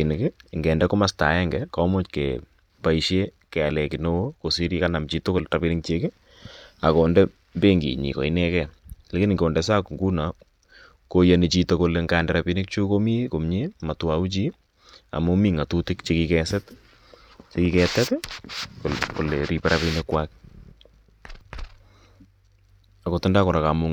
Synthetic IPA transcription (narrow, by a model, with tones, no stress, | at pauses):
i˨nɪkɪ˦ŋɡɛ˨ndɛ˦ko˦ma˦sta̰˨ɛ˦ŋɡɛkɔ˦mo˦t͡ʃkḛ | pa˦iʃe˦ | kɛ˨a˨lɛ˨kɪno˦ko˨si˦ɾi˦ka˦na˨mt͡ʃi˦to˦ko˦lɾa˨pi˦nɪ˦k̚t͡ʃe˦ke˦ | a˨kɔ˨ndɛ˦ | mbe˦ŋɡḭ˨ɲḭ˨kɔ̰˨i˦nɛ˦kɛ˨le˦ki˦nɪ˨ŋko˨ndɛ˨s̬a˦kŋɡu˦na˨ | ko˨ja˨ni˨t͡ʃi˨toko˨le˨ŋɡa˨ndɛ˨ɾa˨pi˦nɪ˦k̚t͡ʃu˦ko˦mi˦ko˨mɲe˦ma˨twa˨u˦t͡ʃi˦ | a̰˨mo˦mi˦ŋa˨tu˦tɪ˦kt͡ʃekikɛsɛ˦t | t͡ʃe˦ki˦kɛ˨tɛ˦tkoko̰˨le˨ɾi˦pɛ˦ɾapi˦nekwak | a˨ko˨tɔ˦nda˦kɔ˨ɾa˨ka˨mʊ˦